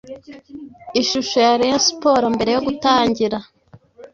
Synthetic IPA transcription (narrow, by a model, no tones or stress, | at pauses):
iʃuʃo̞jaɾeespo̞ːɾombe̞ɾe̞jo̞ɡutaːɲɟiɾa